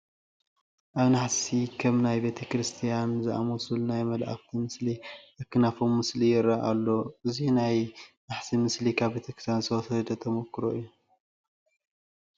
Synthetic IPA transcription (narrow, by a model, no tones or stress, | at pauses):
ʔaβnaħsikʰɐmnajbe̞t̪ʰɐkɾɨst̪ʰijanzɨʔa̰mosulnajmɐlʔa̰ft̪ʰimɨsliʔakːɨnafomːɨslijɪɾːaʔalːo̞ʔɨzinajnaħsimɨslikʰaβbe̞t̪ʰɐkɾɨ̥sansʰɐwsɐd̪ɐt̪ʰɐmokːɨɾo̰ɨjːu